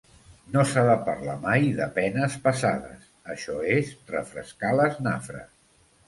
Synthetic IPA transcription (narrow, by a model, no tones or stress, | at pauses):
nosaðəpaɾlamajðəpɛnəspəsaðə̰s | əʃɔezrə̰fɾəskaləzna̰fɾə̰s